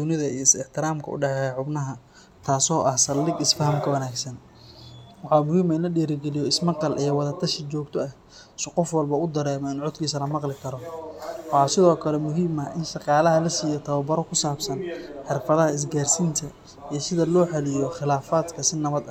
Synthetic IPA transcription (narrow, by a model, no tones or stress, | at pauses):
d̪ʊnɪðɐijɔɪsɪħt̪ʰɪɾaːmkʰɐʔʊ̰ɖɑħɛħʊbnɐɦɐ | t̪ʰaːsɔːʔɐhsɐlɪɡɪsfɐɦɐmkʰɐwɐnaːɡsɐn | wɑħɑːmʊɦiːmɐɪnlɐɖiːɾɪɡɛlɪjɔɪsmɑqɑlʔɛjwɑðɐt̪ʰɐʃɪt͡ʃɔːɡt̪ʰɔɐh | sɪqɔfwɑlbɐʊd̪ɐɾɛːmɔɪnʕʊd̪kʰiːsɐlɐmɑqlɪkʰɐɾɔwɑɑːsɪðɔːkʰɐlɛmʊɦiːmɐʔɪnʃɑqɑːlɐɦɐlɐsiːjɐt̪ʰɐβɐbɐɾɔkʰʊsaːbsɐnħɪrfɐðɐɦɐɪs̬ɡaːrsiːnt̪ʰɐ | ijsɪðɐlɔːħɛlɪjɔχɪlaːfaːd̪kʰɐsɪnɐβɐd̪ɐ